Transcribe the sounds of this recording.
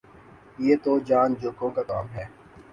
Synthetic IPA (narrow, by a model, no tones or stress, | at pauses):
jeːt̪od͡ʒaːnd͡ʒoːkõːkaka̰ːmɦɛː